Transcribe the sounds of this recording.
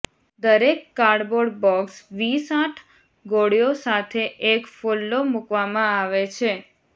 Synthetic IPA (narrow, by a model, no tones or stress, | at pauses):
d̪əɾekːaɾɖboɽbɔksʋisãʈʰ | ɡoɽjosat̪ʰeʔekfolːomukʋamãaʋet͡ʃʰe